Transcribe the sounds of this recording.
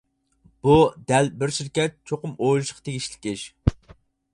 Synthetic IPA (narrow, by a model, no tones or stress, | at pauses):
b̥ud̪ɛlbɪɾʃiɾkʲɛt̪̚t͡ʃʰoqʊmojlˠuʃqʰɑ̥t̪ʰeɡʲiʃlɪkʲɪʃ